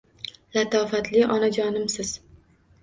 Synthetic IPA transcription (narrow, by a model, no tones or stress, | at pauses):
lat̪ʰɒfat̪ʰlɪʔɒnad͡ʒɒnɪmsɪz̥